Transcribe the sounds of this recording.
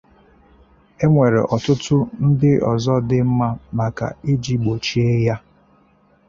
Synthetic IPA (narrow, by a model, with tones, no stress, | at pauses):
e˦ŋʷe˨ɾḛ˨ʔɔ˨tʊ˦tʊ˦n̩˦dɪ˦ɔ̰˨zɔ˦dɪ˦m̩˦ma˦ma˨ka̰˨i˦d͡ʒi˦ɡ͡bo˨t͡ʃi˦e˦ja˦